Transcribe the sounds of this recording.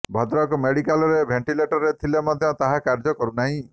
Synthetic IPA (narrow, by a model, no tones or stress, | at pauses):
bʱɔd̪ɾɔkɔmeɽikalɔɾebʱeɳʈileʈɔɾet̪ʰilemɔd̪ʱjɔt̪aɦakaɾd͡ʒɔkɔɾunaɦĩ